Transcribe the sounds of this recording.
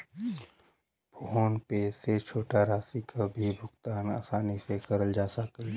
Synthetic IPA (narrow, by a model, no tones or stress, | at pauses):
bʱoonpeset͡ʃʰoːʈaɾaːsikʰabʱibʱʊɡt̪aːna̰ːsaːnisekɐɾəld͡ʒaːsəkl